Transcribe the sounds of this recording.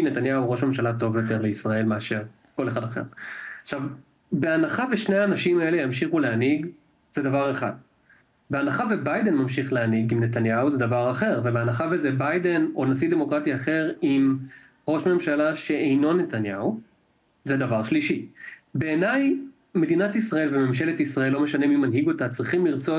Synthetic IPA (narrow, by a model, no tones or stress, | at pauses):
net̪anjauʁo̞ʃme̞mʃalato̞vjo̞t̪e̞ʁle̞isʁae̞lmeaʃe̞ʁ | ko̞le̞χadaχe̞̰ʁaχʃav | be̞anaχaveʃneaːnaʃimaelejamʃiχuleaniɡ | z̥edavaʁe̞χa̰d̚ | beanaχavebajd̪e̞nmamʃiχleaniɡimne̞t̪anjauzed̪avaʁaχe̞ʁvebeanaχavezebajde̞no̞nasid̪e̞mo̞kʁat̪iaχe̞ʁim | ʁo̞ʃme̞mʃalaʃe̞ejno̞net̪anjau | zed̪avaʁʃliʃibe̞ːnaj | me̞d̪inat̪isʁae̞lvememʃe̞le̞t̪isʁaelːo̞me̞ʃanemimanɦiɡo̞t̪at͡sʁiχimliʁt͡so̞